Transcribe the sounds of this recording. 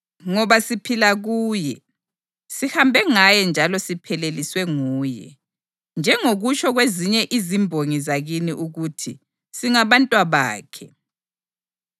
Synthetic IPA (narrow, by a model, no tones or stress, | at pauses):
ŋɔβasipʰilaɣuːjɛ | sihambʱɛŋajɛnd͡ʒʱalɔsipʰɛleliswɛŋuːjɛ̰ | nd͡ʒʱɛŋoɣut͡ʃʰɔɣweziɲɛʔizimbʱoŋizaɣiniʔuɣutʰi | siŋaβantʼwaβa̰ːkʰɛ